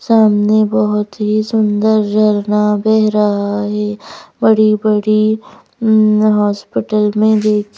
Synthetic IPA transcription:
saːmnebɔɦʊt̪ɦisʊnd̪əɾd͡ʒʱɐɾnabɛɦɾɐɦaɦɛːbɐɽibɐɽi | ɦɔːspɪʈəlmẽd̪eːkʰ

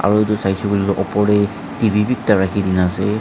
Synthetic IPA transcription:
a̰ɹuetusajsɔɡuliloʔɔpɔɹɛ | tibʱibik̚taɹakʰidinasɛ

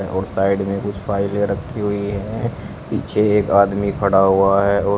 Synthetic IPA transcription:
ɛʔɔːɾsaːɪɖmẽkʊt͡ʃʰpaːɪlẽɾəkʰːiɦʊiɦɛ | pḭːt͡ʃʰeeːkaːd̪mikʰɐɽaɦʊaɦɛɔː

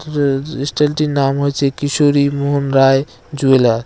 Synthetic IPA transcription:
isʈelʈinamɦojt͡ʃʰɛkisoɾimoɦonɾaj | d͡ʒuela

